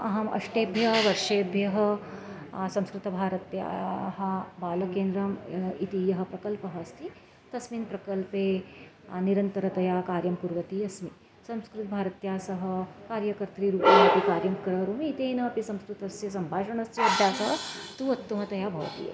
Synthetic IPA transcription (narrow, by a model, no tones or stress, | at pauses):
ɐɦɐmʔɐ̰ʂʈeːbʱjɐɦʋɐɾʂeːbʱjɐɦɐ | sɐmskɾɪt̪ɐbʱaːɾɐt̪ja̰ːɦɐbaːlɐkeːnd̪ɾɐmit̪ijɐɦɐ̆pɾɐkɐlpɐɦɐːst̪ʰi | t̪ɐsmiːnpɾɐkɐlpeː | niɾɐnt̪ɐɾɐt̪ɐjaːkaːɾjɐmpuɾʋɐt̪iɐsmi | sɐ̃mskɾɪt̪̚bʱaːɾɐt̪jaːsɐɦɐ̆kaːɾjɐkɐɾt̪ɾiːɾuːpiɐp̪ikaːɾjɐmkɾɐɾuːmiːt̪eːnɐːpisɐ̃mskɾɪt̪ɐsjɐsɐmbʱaːʃɐɳɐsjɐɐd̪ʱjaːsɐɦt̪uːɐt̪ːumɐt̪ɐjaːbʱɐʋɐ̰t̪ḭːɐ̰